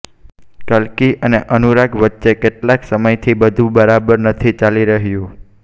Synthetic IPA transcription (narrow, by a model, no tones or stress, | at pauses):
kəlkiʔəneʔənuɾaɡʋətːʃekeʈlaksəməjt̪ʰibəd̪ʱũbəɾabəɾnət̪ʰit͡ʃaliɾəɦjũ